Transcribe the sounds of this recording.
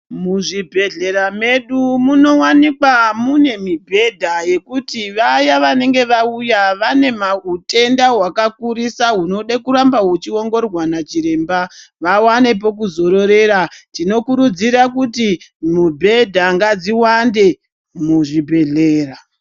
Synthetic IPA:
muʐibʱe̞ɮe̞ɾame̞ɗumuno̞wanikwamune̞mibʱe̞dʱaje̞kutiʋajaʋane̞ŋɡe̞ʋaujaʋane̞maute̞ndaɦwakakuɾisaɦuno̞ɗakuɾambaɦut͡ʃiwo̞ŋɡo̞rwanat͡ʃiɾe̞ːmbaʋawane̞p̬o̞k̬uzo̞ɾo̞ɾe̞ɾatino̞kuɾud͡ziɾakutimubʱe̞dʱaŋɡad͡ziwande̞ | muʐibʱe̞ɮe̞ːra

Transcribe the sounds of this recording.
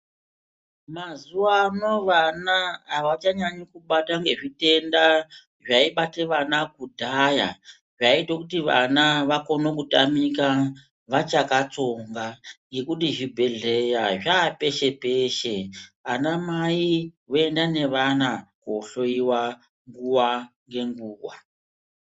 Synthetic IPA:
mazuwano̞ʋanaːʋat͡ʃaɲaɲikuɓataŋɡe̞ʐite̞nda | ʐaiɓateʋanakudʱaja̰ | ʐaitokutiʋa̰naʋako̞nokutamika | ʋat͡ʃakat͡soŋɡaŋɡe̞kutiʐibʱe̞ɮe̞jaʐaːpe̞ʃe̞pe̞ʃe̞anamaiwoe̞ndane̞ʋanakoɬo̞iwa | ŋɡuwaŋɡe̞ŋɡuːwwa̰

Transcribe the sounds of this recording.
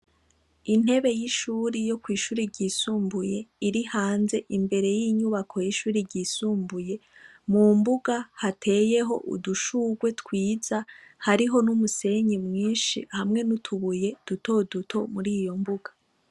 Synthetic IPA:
in̥he̞βe̞jiʃuːɾijo̞kwiːʃuːɾiɾɟiːsuːmbuje̞iɾihaːnze̞ʔimbe̞ɾe̞jiɲuβakʰo̞jiʃuːɾiɾɟiːsuːmbuje̞ | mumbuɡahatʰe̞je̞ɦo̞̰ʔṵduʃuːɡwe̞tkwiːz̥ahaɾiɦo̞numuse̞ɲimŋiːnʃḭhamŋe̞nutʰuβuje̞d̥uto̞dutʰo̞muɾiːjo̞mbuɡa

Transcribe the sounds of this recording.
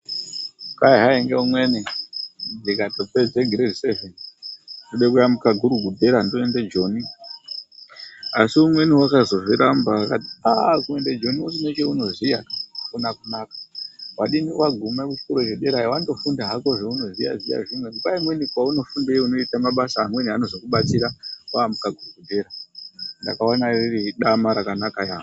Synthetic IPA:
kaiɦaiŋɡeumwe̞ni | dikatoped͡zeɡʱiɾerisevenituɗekujamukaɡʱuɾuɡʱudʱe̞ɾandoended͡ʒo̞ːni | asiumwe̞niwakazo̞ʐiɾambaakatiakuended͡ʒo̞nius̬inet͡ʃeuno̞zijakunakunaːkḁwaɗiniwaɡʱumakut͡ʃi̥koɾot͡ʃeɗe̞ɾajiwando̞fundaɦako̞ʐeuno̞zija̰ija̰ʐimwekupaimwe̞nikwauno̞fundeuno̞itamaɓasaːmwe̞niano̞zo̞kuɓat͡siɾawamukaɡʱuruɡʱudʱe̞ɾandakawanaririɗamaɾakanakajaːo

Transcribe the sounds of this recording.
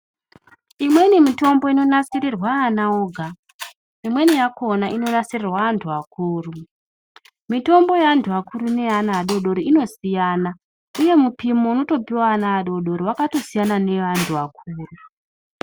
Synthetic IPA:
imwe̞nimito̞mbo̞ino̞nasirirwaːnaoɡʱa | imwe̞nijako̞naʔino̞nasirirwaːntʰuakuːru | mito̞mbo̞jaantʰuakuɾune̞anaːɗo̞ɗo̞ɾiino̞sijana | uje̞mupimo̞uno̞to̞piwaːnaːɗo̞ɗo̞ɾiwakato̞sijanane̞ʋantʰuak̚ʰuːru

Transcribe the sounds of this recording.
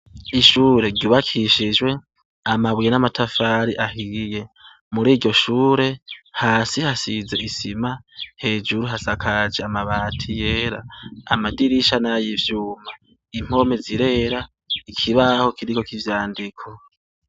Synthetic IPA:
iʃuːɾe̞ɟuβakʰiʃid͡ʒwe̞ | amaβwijenamatʰafaːɾiʔahije | muɾiːɟo̞ʃuːɾe̞haːsihasize̞isimahe̞ːd͡ʒuɾuɦasakʰad͡ʒeamaβaːtʰije̞ːɾaːmadiɾiʃanajivjuːma | im̥o̞meziɾe̞ːɾa | ikʰiβaho̞kʰiɾikokivjaːndikʰo̞

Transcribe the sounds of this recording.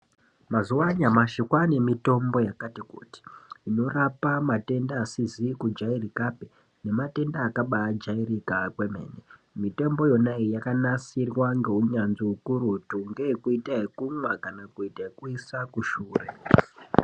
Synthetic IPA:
mazuwaɲamaʃikwane̞mito̞mbo̞jakatikṵːti̥ino̞rapamate̞ndaːsizikud͡ʒairikape | ne̞mate̞ndaːkaɓaːd͡ʒairikakwe̞me̞̰ːne | mite̞mbo̞jo̞naijakanasirwaŋɡe̞uɲanziukuɾutuŋɡe̞ekuitaɦekumwakanakuitaɦekuisakuʃuːre̞̰

